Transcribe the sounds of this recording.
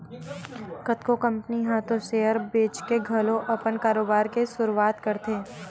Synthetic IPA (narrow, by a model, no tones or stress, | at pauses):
kɐt̪kokɐ̃mpniɦaːt̪ʰõʃeːəɾbeːt͡ʃkeɡʱɐlõʔɐpənkaːɾoːbaːɾkesʊɾuaːt̪kɐɾt̪eː